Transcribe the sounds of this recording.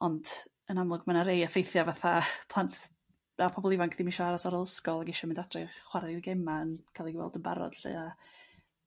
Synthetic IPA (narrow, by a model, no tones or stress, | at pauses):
ɔnd̥ | ənamlˠʊɡmanaɾejafejθjavaθapʰlˠantʰ | apʰɔbɔlˠivaŋkʰðɪmɪʃɔaɾasɔɾɔlˠəskɔlˠaɡɪʃɔmɪndad̥rɪχχwaɾiɡɛmaənkʰalˠiɡwɛ̰lˠdəba̰ɾɔ̰d̥ɬɨ̰a